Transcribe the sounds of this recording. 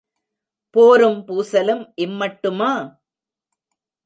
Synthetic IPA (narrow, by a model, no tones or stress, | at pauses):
poːɾɯmpuːsɐlɯmʔɪmːɐʈːɯmaː